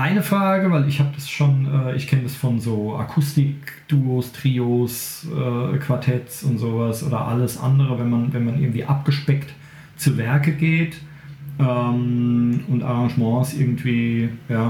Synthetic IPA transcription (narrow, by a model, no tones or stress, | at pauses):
ʔaɪnəfʁ̥aːɡəvaɪlɪçhaːbəd̥asʃoːnʔɛːʔɪçkʰɛnədasfɔnzoːʔa̰kʰʊstɪkd̥uːostʁ̥iːosʔɛːkʰv̥aɐtʰɛtsʊntz̥oːvasʔo̰ːdɐ̰ʔa̰ləsʔa̰ndəʁ̞əvɛnmanvɛnmanʔɪɐɡŋ̩tv̥ḭːʔap̚ɡ̥əʃpɛkt | t͡suvɛɐkəɡeːt | ʔɛːmʊntʔa̰ʁɑ̃ŋʒmɑ̃ːsʔɪɐɡŋ̩tv̥iːjaː